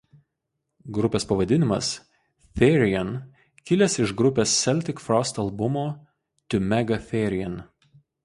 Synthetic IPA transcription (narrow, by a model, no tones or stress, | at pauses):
ɡɾʊpʲeːspɐʋɐd̪ʲɪnʲɪmɐ̰s | fʲɛɾʲɪjɛn | kʲɪlʲɛsɪʒɡɾʊpʲeːsːʲɛlʲt̪ʲɪkfɾɔst̪ɐlˠbʊmoː | t̪ʲʊmʲɛɡɐfʲɛɾʲɪɛn